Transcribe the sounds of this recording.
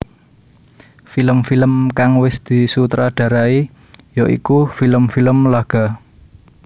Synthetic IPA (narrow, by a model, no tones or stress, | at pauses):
filəmfiləmkaŋwɪsd̪̥i̤sut̪ɾaɖ̥ä̤ɾai | joʔḭkufiləmfiləmlaɡ̥a̤